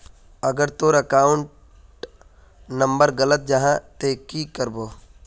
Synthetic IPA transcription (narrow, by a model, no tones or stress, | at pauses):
ɐɡəɾt̪oːɾəkaːʊ̃ɳʈ | nɐ̃mbəɾɡɐlət̪̚d͡ʒɐɦãt̪eːkikəɾboː